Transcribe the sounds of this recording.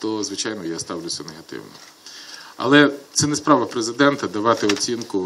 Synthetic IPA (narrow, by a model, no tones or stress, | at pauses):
t̪ɔzʋɪt͡ʃɑjnɔjast̪ɑwlʲʊsʲɐneɦɐt̪ɪ̰wnɔ̰ | ɐ̰lˠɛt̪sɛnɛspɾɑʋɐpɾezɪd̪ɛnt̪ɐd̪ɐʋɑt̪ɪɔt͡sʲinkʊ